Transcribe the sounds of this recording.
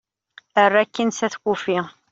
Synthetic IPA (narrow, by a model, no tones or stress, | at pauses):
ərːækːinsæθkufi